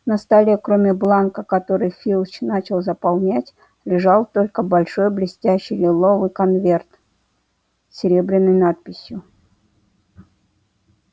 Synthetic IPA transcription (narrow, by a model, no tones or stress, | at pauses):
nɐst̪alʲəkɾomʲɪblˠankəkɐt̪o̞ɾɨjfʲilˠt͡ɕnat͡ɕɪlˠzəpɐlˠnʲætʲ | lʲɪʐɑlˠt̪o̞lʲkəbɐlʲʂo̞jblʲɪsʲtʲæɕːɪjlʲɪlˠo̞vɨjkɐnvʲe̞rt̪ | ɪɾʲebɾʲɪnːəjnat̪̚pʲɪsʲjʊ